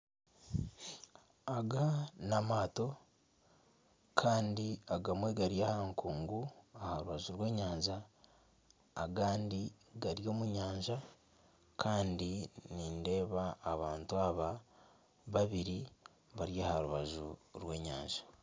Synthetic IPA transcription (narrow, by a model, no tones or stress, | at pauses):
aɡanamaːto̞ | kʰaːndiaɡamwe̞ɡaɾjahaŋkuːŋɡuahaɾuβaʒuɾwe̞ːɲaːɲʒa | ɡaːndi | ɡaɾjo̞ːmuɲaːɲʒa | kʰaːndininde̞ːβaːβaːntuaβa | βaβiɾi | βaɾjaːhaɾuβaʒṵɾwe̞ːɲa̰ːɲʒḁ